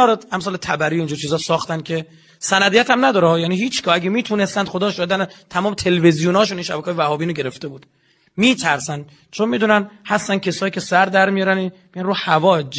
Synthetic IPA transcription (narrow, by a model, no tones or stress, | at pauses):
ɒːɾeæmsɒːlet̪ʰæbæɾiːind͡ʒuːɾt͡ʃʰiːzɒːsɒːxt̪ænkʲʰe | sænæd̪ijæt̪æmnæd̪ɒːɾehɒːjæniːhiːt͡ʃʰɡɒːæɡemiːt̪ʰuːne̞st̪ænd̪̥xod̪ɒːʃɒːed̪ænet̪ʰæmɒːmet̪ʰe̞levezijunɒːʃuninʃæbækʰːjvæhɒːbiːnoɡe̞ɾe̞ft̪e̞buːd̪ | miːt̪ʰæɾsænd̪ | t͡ʃʰonmiːd̪uːnænhæst̪æn̥̚cʰesɒːjiːcʰʲe̞sæɾd̪æɾmijɒːɾæninmijænruːhævɒːd͡ʒ